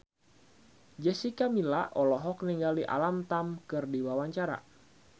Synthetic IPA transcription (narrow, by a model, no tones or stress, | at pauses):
d͡ʒɛsikamilaʔɔlɔɦɔk̚niŋɡaliʔa̰lamt̪amkɨrdiwawaɲt͡ʃaɾa̰